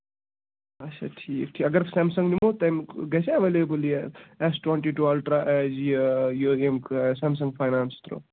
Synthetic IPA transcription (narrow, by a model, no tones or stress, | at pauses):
ɐt͡ʃʰa̰ʈʰiːkʈʰiɐɡɐɾsɛːmsɐ̃ŋɡnimot̪ɐmɡɐsʰaʋelebuliesʈweɳʈiʈuelʈɾaʔɛd͡ʒijoemkʰsɛːms̬ɐ̃ŋɡpʰajnaːnst̪ɾo̰